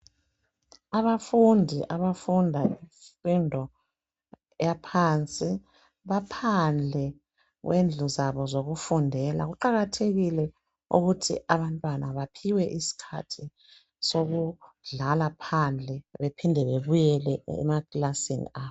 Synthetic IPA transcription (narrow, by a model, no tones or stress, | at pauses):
aβafundʱiʔaβafundʱaifindʱɔ | japʰant͡sʼi | βapʰand͡ɮʱɛ | ɣwʔend͡ɮʱuzaβɔzoɣufundʱɛla̰ɣuǃaɣatʰeɣilɛ | ṵɣutʰḭʔaβantʼwanaβapʰiwɛʔisi̥kʰa̰tʰi | soɣu | ɮalapʰand͡ɮʱɛβepʰindʱɛβeβujɛlɛɛ̰makʼlasinḭa